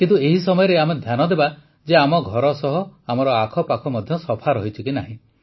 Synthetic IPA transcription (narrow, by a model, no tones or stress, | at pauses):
kint̪ueɦisɔmɔjɔɾeamed̪ʱjanɔd̪eba | d͡ʒeamɔɡʱɔɾɔsɔɦɔamɔɾɔakʰɔpakʰɔmɔd̪ʱjɔsɔpʰaɾɔɦit͡ʃʰikinaɦĩ